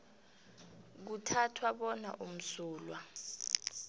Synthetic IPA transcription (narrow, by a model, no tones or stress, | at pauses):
k̬utʰatʰwaɓɔna̰ʔum̩suːlwa